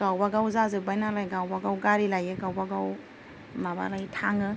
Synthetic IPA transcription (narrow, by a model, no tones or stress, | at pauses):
ɡ̥awbaɡawzazɯbajnalajɡawbaɡawɡaɾilajɯɡawbaɡaw | maba̰lajtʰaŋɯ